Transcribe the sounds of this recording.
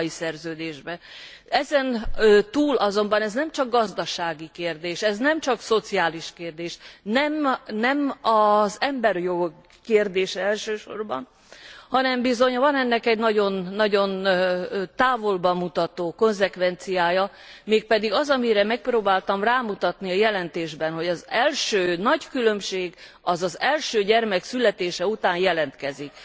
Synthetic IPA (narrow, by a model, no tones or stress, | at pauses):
isɛrzøːd̪eːʒbɛ | ɛzɛnøt̪uːlʔɒzo̞mbɒnɛznɛmt͡ʃɒɡ̚ɡɒzd̪ɒʃaːɡikeːrd̪eːʃɛznɛmt͡ʃɒkso̞t̪siaːliʃkeːrd̪eːʃnɛmnɛmɒzɛmbɛrjo̞ɡokː | eːrd̪eːʃɛɛlʃøːʃo̞̰rbɒ̰n | hɒnɛmbizo̞ɲvɒnɛnːɛkɛɟnɒɟo̞nːɒɟo̞n | t̪aːvo̞lbɒmut̪ɒt̪oːko̞nzɛkʋɛnt̪sijaːjɒ | meːk̚pɛd̪iɡɒzɒmiɾɛmɛk̚proːbaːlt̪ɒmraːmut̪ɒt̪niɒjɛlɛnt̪eːʒbɛnɦo̞ɟɒzɛlʃøːnɒɟkylømʃeːɡ | ɒzɒzɛlʃøːɟɛrmɛksylɛt̪eːʃɛut̪aːnjɛlɛnt̪kɛzik